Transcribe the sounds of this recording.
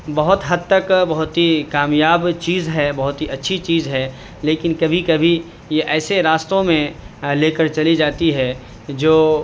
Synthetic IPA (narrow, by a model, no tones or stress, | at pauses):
bɐɦʊt̪ɦɐd̪̚t̪əkbɐɦʊt̪ɦikaːmjaːbt͡ʃiːzɦɛbɐɦʊt̪ɦiʔɐtːʃʰit͡ʃiːzɦɛ | leːkɪnkɐbʱikɐbʱi | jeʔɛːseɾaːst̪õmẽleːkəɾt͡ʃɐlid͡ʒaːt̪iɦɛ | d͡ʒoː